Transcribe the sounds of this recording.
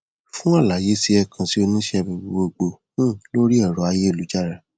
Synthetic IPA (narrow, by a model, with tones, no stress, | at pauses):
fũ˦a˦˨la˨˦˨je˨˦si˧ɛ˦˨kʰã˧si˦o˧nũ˦ʃɛ˦˨bĩ˧˨˧wo˧ɡ͡bõ˧˦˨ | lo˦ɾi˦ɛ˦˨ɾɔ˨a˧je˦e˦˨lu˨˦d͡ʒa˦˨ɾa˨